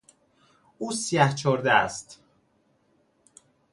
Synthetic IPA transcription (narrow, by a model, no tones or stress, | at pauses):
uːsijæht͡ʃʰoɾd̪eæst̪